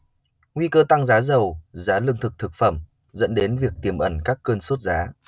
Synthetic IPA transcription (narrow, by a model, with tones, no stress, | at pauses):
ŋwi˧kəː˧t̪a˧ŋzaː˨˦zə˨˩wzaː˨˦lɨ˧əŋt̪ʰɨ˨˩k̚t̪ʰɨ˨˩k̚fə˧˩m | zə̰˧˥nɗe˨˦nvi˨˩ək̚t̪i˧˩əmʔə˧˩nkaː˦˥kːəː˧nso˦˥t̚zaː˨˦